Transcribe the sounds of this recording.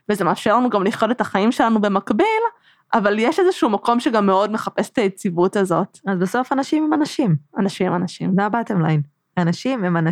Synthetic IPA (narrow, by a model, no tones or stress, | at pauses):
vezemeːfʃelanuɡamliʃjode̞taχaimʃe̞lanube̞makbil | ʔavaljeʃezeʃuumako̞mʃeɡamːeo̞dme̞χape̞se̥t̪ajet͡sivutazo̞tazbaso̞fanaʃimhemanaʃimanaʃimemanaʃḭmzaabatemlain | anaʃimemana